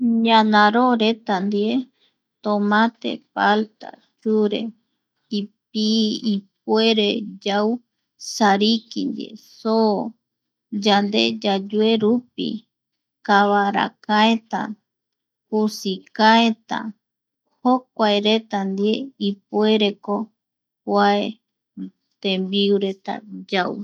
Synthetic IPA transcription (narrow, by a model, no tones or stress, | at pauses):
ɲãnãɾoɾe̞t̪and̪ie | t̪omãt̪ḛpalt̪a̰ | t͡ʃuɾe̞̰ | ip̚iip̚ue̞ɾed͡ʒaw | saɾikḭnd̪ḛso | d͡ʒand̪ḛd͡ʒad͡ʒue̞ɾupḭ | kaβaɾa̰kaet̪a̰ | pusikaet̪a̰ | hok̚ʷaeɾet̪and̪ieip̚ue̞ɾe̞ko | kʷae | t̪embiuɾet̪a̰d͡ʒaw